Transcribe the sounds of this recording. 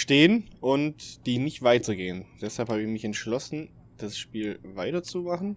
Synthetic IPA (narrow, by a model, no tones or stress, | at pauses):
ʃteːənʔʊntd̥iːnɪçtv̥aɪtəɡeːənd̥ɛshalphaːbəɪçmɪçɛntʃlɔsn̩ | d̥asʃpiːlvaɪtɐt͡sumaχn̩